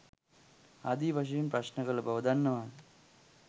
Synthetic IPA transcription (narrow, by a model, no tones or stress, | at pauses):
ɐd̪iʋʱɐʂ̬ɐjumpɾɐɕnɐɣɐɭbʱɐʋɐd̪ʱɐnːɐmaːnɨ